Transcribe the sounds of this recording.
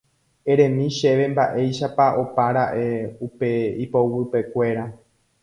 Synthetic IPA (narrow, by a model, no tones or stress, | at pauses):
e̞ɾẽ̞mĩʃe̞ʋe̞mbaʔe̞jʃapaʔo̞paɾaʔe̞upe̞ipowɨpe̞kʷe̞ɾa